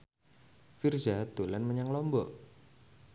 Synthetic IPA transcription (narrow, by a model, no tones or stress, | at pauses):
firzad̪̥o̤lanməɲaŋlɔmbɔʔ